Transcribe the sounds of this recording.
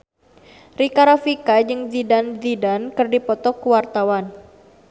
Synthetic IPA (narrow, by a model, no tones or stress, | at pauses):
rikaɾafikad͡ʒɨŋd͡ʒidanzidankɨrdipɔt̪ɔkuwart̪awan